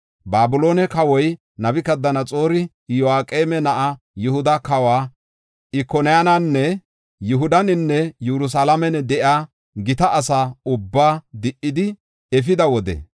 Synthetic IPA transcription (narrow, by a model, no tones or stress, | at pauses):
baːbʊlo̞ːnɛkɐwɔj | nɐbɪkɐd̪ːɐnɐt͡sʼoːɾɪ | jɔaːkʼeːmɛnɐʔa | jʊhʊd̪ɐkɐwaː | ɪkːɔnɪjananːɛ | jʊɦʊd̪ɐnɪnːɛjuɾʊs̬aːlɐmɛnɛd̪ɛʔaː | ɡɪt̪ɐʔɐsaːʊbːaːd̪ɪʔːɪd̪ɪ | ɛfɪd̪ɐwɔd̪ɛ̰